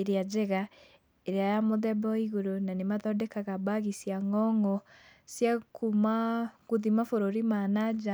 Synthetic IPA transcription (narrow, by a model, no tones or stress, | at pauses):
eɾead͡ʒeɣa | eɾeajamoðɛbɔiɣoɾonanemaðɔdɛkaɣabaɣisjaŋɔŋɔsjakumaɣoðimafoɾoɾimanad͡ʒa